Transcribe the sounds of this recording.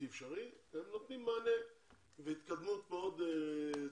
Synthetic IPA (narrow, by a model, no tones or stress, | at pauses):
efʃaʁiemnot̪nimːaːne | veit̪kad̪mut̪meod̪e